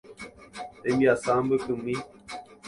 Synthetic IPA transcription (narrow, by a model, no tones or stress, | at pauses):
t̪emiasaːmbəkɨmi